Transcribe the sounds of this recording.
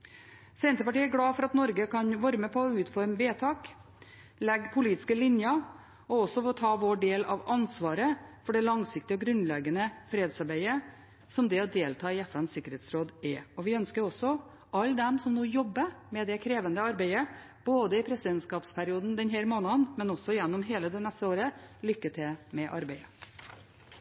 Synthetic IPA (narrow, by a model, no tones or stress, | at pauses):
sɛnt̪əpɑʈiːæɾɡɽɑːfɔɾɑt̪nɔɾɡəkʰɑnʋɑɾməpʰɔːʉːt̪fɔɾmʋeːt̪ʰɑːk | lɛɡpʰʊliːt̪ɪ̥skəlɪnjə | ɔɔsːɔfɔt̪ʰɑːʋoːɖeːlɑ̰ʋɑnsʋɑːɾəfɔɖɛlɑŋsɪk̚t̪ɪɔɡɾʉnlɛɡənəfɾeːd̪sɑɾbæɪə | sɔmd̪ɛɔd̪eːlt̪ʰɑːɪɛfɛnsɪkːəɾeːt̪sɾoːd̪ɛɔʋɪœnskəɾɔsɔ | ʔɑlːd̪ɛmsɔmnuːjɔbːəmɛd̪ɛkʰɾeːʋənd̪əɑɾbæɪə | b̥oːd̪əɪpʰɾɛsɪd̪ɛnt̪skɑːpspʰæɾɪuːd̪n̩d̪ɛnɦæːɾmoːnɑənmɛnɔsːɔɪjɛnːɔmɦeːləd̪ɛnɛst̪əoːɾəlʏkːəʈ̪ʰɪlmɛʔɑ̰ɾbæɪə